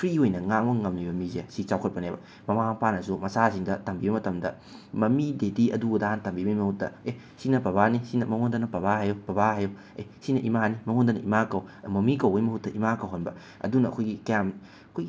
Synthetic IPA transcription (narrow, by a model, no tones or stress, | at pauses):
pʰɾiojnɐŋamɐŋɐmnibɐmizesit͡ʃawkʰɐt̚pɐnebɐ̰ | mɐmapanɐsumɐsasiŋdɐtɐmbibɐmɐtɐmdɐ̰ | mɐmidediɐ̰dudahantɐmbibɐjmɐhut̚dɐ̰e | sinɐpɐβanisinɐmɐŋondɐnɐpɐβaɦajopɐbaɦajo | ḛjsinɐʔimanimɐŋondɐnɐ̰ʔimakɐwmɐmikɐwɐjmɐhut̚dɐʔimakɐwɦonbɐ̰ | ɐ̰dunɐɐ̰kʰojɡikɐjam | ɐkʰojɡi